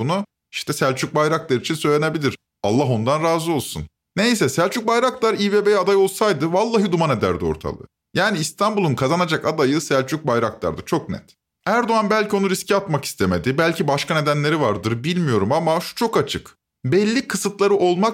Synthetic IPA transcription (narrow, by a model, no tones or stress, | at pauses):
bunu | iʃt̪ɛsælʲt͡ʃʰyc̚bajɾaklˠaɾɯit͡ʃʰinsøjlʲenebilʲiɾ̥ | a̰lˠːaɦo̞nd̪anɾaːzɯo̞lˠsun | ne̞js̬ɛsælʲt͡ʃʰyc̚bajɾaklˠaɾiːvebejad̪ajo̞lˠsajd̪ɯvalˠːaɦɯd̪umane̞d̪æ̰ɾd̪io̞̰ɾt̪ʰa̰lˠɯ̰ | jaːniːst̪ʰanbulˠunkʰazanad͡ʒakad̪ajɯsælʲt͡ʃʰyc̚bajɾaklˠa̰ɾd̪ɯt͡ʃʰo̞knɛ̰t̪ | æɾd̪oanbælʲcio̞nuɾiscʰiat̪maki̥st̪ʰeme̞d̪ibælʲcʰibaʃkʰane̞d̪ænlʲe̞ɾivaɾd̪ɯɾbilʲmijo̞ɾumamaʃu̥t͡ʃʰo̞kat͡ʃʰɯk | bɛlʲːikʰːɯsɯt̪lˠaɾɯʔo̞lˠmak